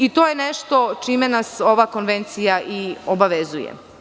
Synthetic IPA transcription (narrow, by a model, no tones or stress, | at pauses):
it̪o̞ːjeneʃt̪o̞t͡ʃiːmenaso̞ʋako̞nʋe̞nt̪sijaʔiobaʋezujḛ